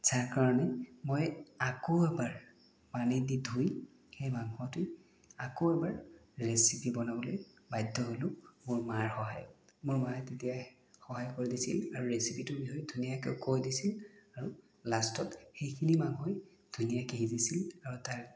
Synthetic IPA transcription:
zaɹkaɹɔnɛmojakoɛbaɹ | panididʱuj | xejmaŋɦɔtʊj | akoɛbaɹɹesipibɔnabɔloj | bajdʱːɔɦolʊ̃mʊɹmaɹxɔɦa̰jmʊɹmatetija | xɔɦajkoɹidisḭlaɹuɹesipitʊbiɦɔjdʱunijakɛʊkojdisilaɹu | lastɔtxejkʰinimaŋɦoj | d̥ʱunijakeɦizisilaɹutaɹ

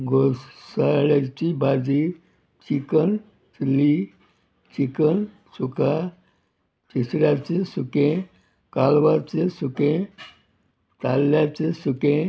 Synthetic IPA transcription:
ɡʱosaɭat͡ɕibad͡zi | t͡ɕikən | t͡sli | t͡ɕikən | suka | t͡ɕisɽjat͡sesukẽ | kalʋat͡sesukẽ | t̪alːat͡sesukẽ

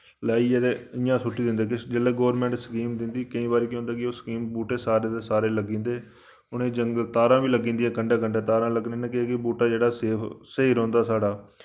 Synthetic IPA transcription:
laːiːed̪eɪjãːsʊʈːiːd̪ɪ̃nd̪eːkd͡ʒelːeːɡoːɾmɛ̃ːɳʈsəkiːmd̪ɪnd̪iːkəĩːbaːɾiːkõːnd̪aːkɪoːsəkiːmbuːʈeːsaːɾeːt̪eːsaːɾeːləɡĩːnd̪eː | ʊñẽːd͡ʒəŋɡəlt̪aːɾãːʋiːləɡĩːnd̪iãːkəɳɖeːkəɳɖeːt̪aːɾãːləɡnẽːnɛ̃ːkɪkɪbuːʈaːd͡ʒeːɽaːseːseːɾɔ̃ːnd̪aːsaːɽaː

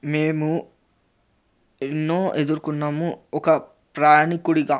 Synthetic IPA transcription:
meːmu | enːoːʔed̪uɾukunːaːmuɔkɐ | pɾaːɳikuɽiɡaː

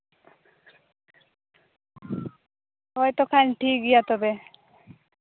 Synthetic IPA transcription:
hɔjt̪okʰanʈʰikɡijat̪obe

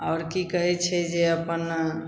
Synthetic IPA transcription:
ɔːɾkikəɦɛt͡ʃʰɛd͡ʒeəpən

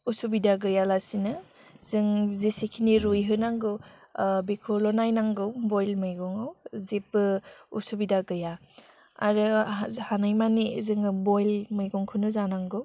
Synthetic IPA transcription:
usubidaɡɯjalasinɯ | zɯŋzisikʰiniɾujɦɯnaŋɡɯwbekʰulɔnajnaŋɡɯwbɔjlmɯjɡɔŋɯwzep̚ːɯṵsubidaɡɯja | a̰ɾɯhanɯjmanizɯŋbɔjlmɯjɡɔŋkʰɯnɯzanaŋɡɯw

